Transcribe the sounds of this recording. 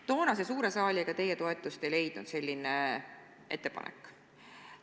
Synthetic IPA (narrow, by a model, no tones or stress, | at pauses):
t̪o̞ːnɑs̬esuːɾe̞sɑːlʲieɡ̥ɑt̪e̞jet̪o̞e̞t̪ˑːust̪e̞le̞jd̪̥nud̪̥se̞lʲːine | ʔe̞̰t̪ːˑepɑ̰nḛkːˑ